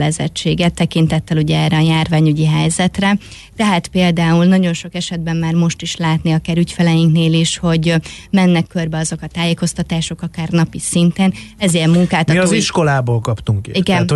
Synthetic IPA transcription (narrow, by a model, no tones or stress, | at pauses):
lɛzɛ̰t͡ʃːeːɡɛt̪ːɛkint̪ɛt̪ːɛluɟɛɛːrɛɒjaːrvaːɲyɟiɦɛjzɛt̪rɛ | t̪ɛɦaːt̪peːld̪aːulnɒɟo̞nʃo̞kɛʃɛd̪̚bɛmːaːrmo̞ʃt̪iʃlaːt̪niɒkaːɾycfɛlɛjiŋkneːliʃho̞ɟmɛnːɛkːørbɛɒzo̞kɒt̪aːjeːko̞st̪ɒt̪aːʃo̞kɒkaːrnɒpisint̪ɛnɛziɛmmuŋkaːt̪ɒziʃko̞laːboːlkɒpt̪uŋkiɡɛn